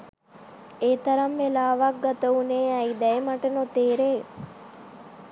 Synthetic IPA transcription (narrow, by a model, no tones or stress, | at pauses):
eːt̪ɐɾɐmʋelaːʋak̚ɡat̪ɐuneːɛid̪ɛemɐʈɐnot̪eːɾeː